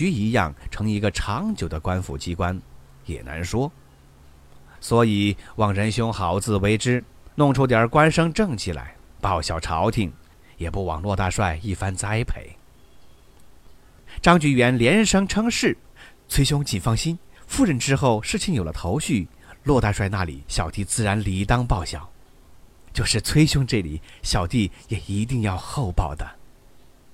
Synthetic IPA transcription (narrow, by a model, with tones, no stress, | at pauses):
y˧˥i˧˥jɑ̰˥˩ŋʈ͡ʂʰɤ˧˥ŋi˧˥ɡə˧ʈ͡ʂʰɑ˧˥ŋt͡ɕjo˨˩ʊd̪ə˦kwa˥nfṵ˧˩t͡ɕi˥kwa˥n | jɛ̰˨˩na̰˧˥nʂwɔ˥ | swɔ˧˥i˨˩wɑ˨˩ŋɻə˧˥nɕjʊ˥ŋxɑ˧˥ʊt͡sɹ̩˥˩we˧˥ɪʈ͡ʂɻ̩˥nʊ˥˩ŋʈ͡ʂʰu˥t̪jə˞˨˧˥kwa˥nʂɤ˥ŋʈ͡ʂɤ˥˩ŋt͡ɕʰi˨˩lʔa̰˧˥ɪpɑ˥˩ʊɕjɑ˨˩ʊʈ͡ʂʰɑ˧˥ʊt̪ʰi˨˩˦ŋ | jɛ˨˩pu˥˩wɑ̰˨˩ŋlwɔ˥˧t̪a˥˧ʂwa˥˧ɪi˥˩fa˥nt͡sa˥ɪpʰḛ˨˧˩ɪ | ʈ͡ʂɑ˥ŋt͡ɕy˧˥ɥɛ˧˥nljɛ˧˥nʂɤ˥ŋʈ͡ʂʰɤ˥ŋʂɻ̩˥˩t͡sʰwe˥ɪɕ̬jʊ˥ŋt͡ɕi˨˩nfɑ˥˧ŋɕi˥nfu˥˧ɻə˥˩nʈ͡ʂɻ̩˥xo˥˩ʊʂɻ̩˥˩t͡ɕʰi˥˩ŋjo˨˩ʊlə̰˦t̪ʰo˧˥ʊɕy˥˩ | lwɔ˥˧t̪a˥˧ʂwa˥˧ɪna˥˩lḭ˨˩˦ɕjɑ˨˩ʊt̪i˥˧t͡sɹ̩˥˩ɻa˧˥nli˧˥t̪ɑ˥ŋpɑ˥˩ʊɕjɑ̰˨˩˦ʊ | t͡ɕjo˥˧ʊʂɻ̩˥˩t͡sʰwe˥ɪɕʊ˥ŋʈ͡ʂɤ˥˩li˨˩ɕjɑ˨˩ʊt̪i˥˩jɛ˨˩i˧˥t̪i˥˧ŋjɑ˥˧ʊxo˥˧ʊpɑ˥˩ʊd̪ə˩